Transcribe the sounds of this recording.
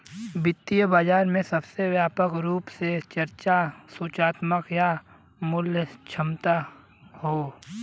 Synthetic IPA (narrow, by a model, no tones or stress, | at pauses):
bɪt̪ːijəbaːd͡ʒaːɾmẽsɐbsewjaːpəkɾuːpset͡ʃəɾt͡ʃasuːt͡ʃaːt̪məkja | mʊljət͡ʃʰəmt̪a | hoː